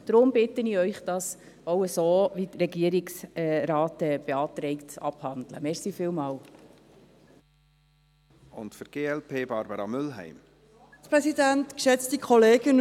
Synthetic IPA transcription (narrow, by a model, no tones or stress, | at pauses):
d̥ɾʊmbɪt̪əniœʏχd̥ɑs | oʊəsoːʋitɾɛɡiəɾɪksɛɾɑːtɛb̥eɑːt̪ɾɛɪktɑ̰b̥hɑndlə̰mɛɾsiːfiːlmɑːw | ʊntfəɾɡ̥eːɛlpʰeːbɑːɾbəɾɑmʏlɦæ̰ɪm | pɾɛsidæntkʃɛt͡stikʰɔleːɡən